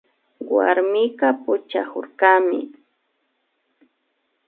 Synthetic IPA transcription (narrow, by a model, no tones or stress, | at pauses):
wa̰ɾmɪkapʊt͡ʃa̰kʊɾkamɪ̰